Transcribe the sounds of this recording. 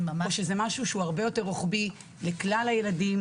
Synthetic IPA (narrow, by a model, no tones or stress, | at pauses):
oʃezemaʃuʃeuaʁbe̞jo̞te̞ʁoχbi | leklalaje̞ladim